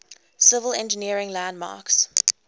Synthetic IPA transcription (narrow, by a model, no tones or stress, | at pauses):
sɪvəlɛ̃nd͡ʒəniəɹɪ̃ŋlæ̃ndmɑ̰ːks